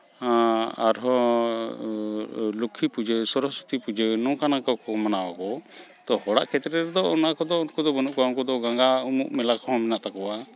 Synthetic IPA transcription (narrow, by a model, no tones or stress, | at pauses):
a̰ɾɦɔ | lukʰːipud͡ʒəsɔɾɔsu̥t̪ipud͡ʒənɔ̃kanakɔkɔmanawakɔ | t̪ɔhɔɽa̰ʔkʰɛt̪ɾɛɾɛd̪ɔɔnakɔd̪ɔunkud̪ɔbɔnuʔkɔaunkɔd̪ɔɡaŋɡaumṵʔmɛlakɔɦɔ̃mɛnaʔt̪akɔwa